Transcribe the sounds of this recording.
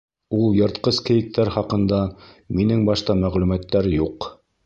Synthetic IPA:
ulˠjɤ̆ɾt̪qɤskɘ̆jɘ̆k̚t̪æɾχɑqɤ̆nd̪ɑ | minɘŋbɑʃt̪ɑmæʁlʉmæt̪ːæɾjuq

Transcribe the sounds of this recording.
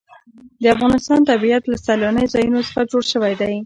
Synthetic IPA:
d̪əafɣɑnɪst̪ɑnt̪abijat̪lasalanəjozɑjunosə̥xad͡ʒoɽʃəwajd̪aj

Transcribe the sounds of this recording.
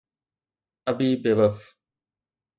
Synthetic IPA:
ɐbiːbeʋɐf

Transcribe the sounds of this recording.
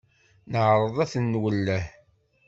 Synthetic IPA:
nəʕɾˤəðˤæθənːwəlːæh

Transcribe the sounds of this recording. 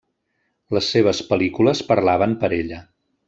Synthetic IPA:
ləsːeβ̞əspəlikuləspəɾlaβəmpəɾeʎə

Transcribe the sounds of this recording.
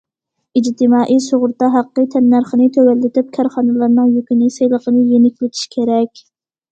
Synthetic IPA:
id͡ʒt̪ʰɪmɑːʔijsoʁʊɾt̪ɑɦæqːɨt̪ʰɛnːæɾχənɪt̪ʰøwælːɪt̪ɪp̚kʰɑɾχɑnɨlˠɑɾnɨŋjykʲinɪsejlˠəqənɨjenɪkʲlɪt̪ʰi̥ʃkʲʰeɾɛkʲ

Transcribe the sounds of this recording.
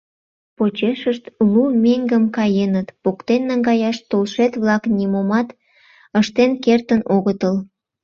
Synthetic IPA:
pot͡ɕeʃəʃt̪lumeŋɡəmkɑjenət̪pokt̪enːəŋɡɑjɑʃt̪olʃet̪βlɑknʲimomɑt̪ | əʃt̪enkert̪ənoɣət̪əl

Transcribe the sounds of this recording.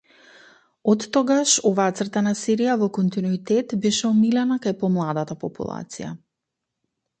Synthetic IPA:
ɔt̪ːɔɡaʃɔvaːat̪sr̩t̪anasiɾijavɔkɔnt̪inuit̪ɛt̪bɛʃɛɔmilɛnakajpɔmlˠad̪at̪apɔpṵlˠa̰t̪sḭja̰

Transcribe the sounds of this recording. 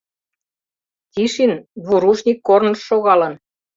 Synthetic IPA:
t̪ʲiʃinβuɾuʒnʲikːornɤ̆ʃːoɣɑlɤ̆n

